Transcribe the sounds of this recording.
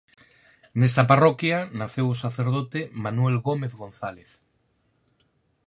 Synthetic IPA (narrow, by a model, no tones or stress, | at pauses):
nest̪ɐparokjanaθewosaθeɾðot̪emanwelɣomeθɣõnθaleθ